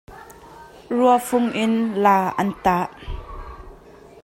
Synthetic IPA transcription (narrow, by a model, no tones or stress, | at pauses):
ruəfʊŋʔɪnlaːʔɐnt̪aːʔ